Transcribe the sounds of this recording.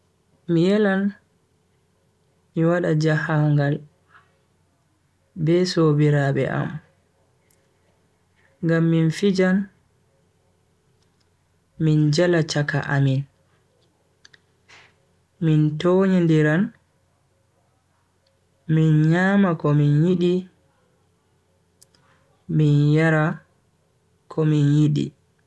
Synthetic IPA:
mijɛlan | miwaɗad͡ʒahawŋɡal | bɛsobiɾaɓɛ̰ʔa̰m | ŋɡamːinfid͡ʒan | mind͡ʒalat͡ʃaka̰ʔamin | mintoɲindiɾan | minɲaːmakɔminjiɗi | minjaɾa | kʰɔminjiɗḭ

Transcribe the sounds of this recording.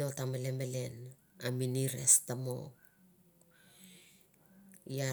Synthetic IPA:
o̞tamelemele̞n | aminiɾe̞̰stamo̞̰k | ja

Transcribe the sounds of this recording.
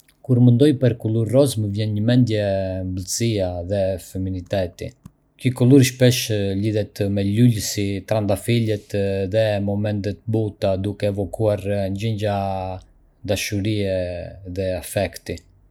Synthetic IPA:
kuɾmənd̪ɔjpəɾkulˠuɾːɔzməvjɛnɲəmɛnd̪jɛmbəlsiaðɛfɛminit̪ɛt̪i | kikɔlˠuɾʃpɛʃliðɛt̪mɛlulsit̪ɾand̪afilɛt̪ðɛmɔmɛnt̪ɛt̪̚but̪ad̪ukɛːvɔkuaɾɲd͡ʑiɲd͡ʒa | d̪aʃuɾiɛðɛafɛkt̪i

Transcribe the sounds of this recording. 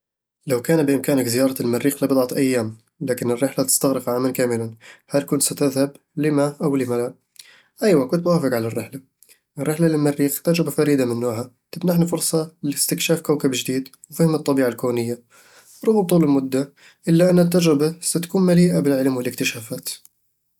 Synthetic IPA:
lawkaːnbɪʔɪmkaːnɪkzɪjɑːɾˤɑlmarːiːxlabɨd̪ˤʕɑt̪ʔajːaːm | laːkɪnɪrːɪħlat̪ɪ̥st̪aɣɾɪqʕaːmankaːmɪlanhalkʊnt̪sat̪ɪðhab | lɪmaʔawlɪmala | ʔajwakʊnt̪̚mʊwaːfɪqʕalarːɪħla | ʔɪrːɪħlalɪlmarːiːxt̪ad͡ʒɾɪbafaɾiːd̪amɪnːuːʕhat̪ˤɑbnaħnafʊɾˤsˤɑlɪlɪst̪ɪkʃaːfkawkabʒd̪iːd̪ | wfiːhɪmɨt̪ˤːɑbiːʕalkoːnɪjːa | ɾˤʊːɣmt̪ˤuːlɪlmʊd̪ːa | ʔɪlːaʔanːɪt̪̬ːad͡ʒɾɪbasat̪ḁkuːnmaliːʔabɪlʕɪlmwɪlɪkt̪ɪʃaːfaːt̪

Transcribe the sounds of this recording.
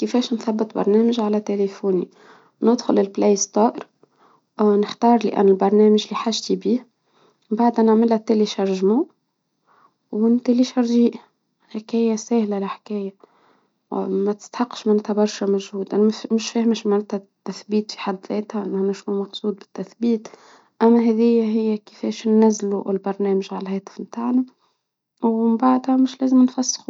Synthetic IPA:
kəfɛːʃnθæbːət̪ˤbɑ̰ɾˤnæːməʒʕalæt̪elefuːni | nəd̪xʊlɪlblejst̪ˤɑːʔɾˤ | nəħt̪ɑːɾˤlḭʔæ̰nːʊlbɑɾˤnæːmɪʒliħaʒt̪ibiːh | baʕd̪ʔænəʕmɪlht̪ːeliʃɑɾˤʒmu | wɪnt̪æliʃɑɾˤʒiːʔ | ħakæːjæsæːhlalɪħkæːja | mæt̪ɪ̥st̪ħɑqːʃmaʕnæːt̪hæbɑɾˤʃæmoʒhuːd̪æmɪʃfæːhmʃmaʕnæːt̪hæt̪ːæθbiːt̪fi̥ħad̪ðɛːt̪hæʔnanæʃumɑqsuːd̪̚ˤbɪ̥t̪ːæθbiːt̪ | ʔæmːæɦɛðɪjːæɦɪjːækəfɛːʃnːæzːluɪlbɑɾˤnæːməʒʕalhɛːt̪ə̥fmt̪aːʕnæ | wɪmbaʕd̪hæmɪʃlæːzəmnfæsːxu

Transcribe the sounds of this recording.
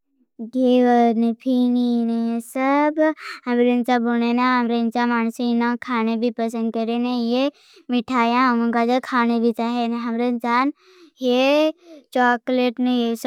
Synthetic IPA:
ɡeːʋəɾnepʰininesəbhɐmɾent͡ʃabonenãɦɐmɾent͡ʃamaːnsinãkʰaːnebʱipəs̬ə̃nd̪̚kəɾenẽje | mɪʈʰaːjãm̃kad͡ʒokʰaːnebʱit͡ʃaːɦeneɦɐmɾent͡ʃaːn | je | t͡ʃaːkleːʈnẽjes

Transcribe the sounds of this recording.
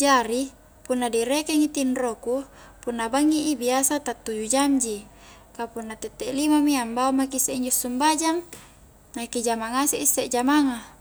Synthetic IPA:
d͡ʒaɾi | punːadiɾekeŋit̪inroku | punːabaŋːiʔibiasat̪at̪ːud͡ʒud͡ʒamd͡ʒi | kapunːat̪et̪ːeʔlimamiambaomakisːeiɲd͡ʒosːumbad͡ʒaŋ | nakid͡ʒamaŋasiʔisːeʔd͡ʒamaŋa

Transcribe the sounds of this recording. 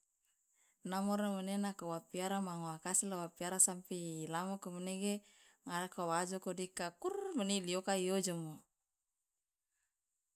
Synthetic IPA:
namɔɾamənenakowapiaɾamaŋoakasilawapiaɾasampiːlamokoməneɡe | ŋadakawad͡ʒokodikakurməniliokaijod͡ʒamo

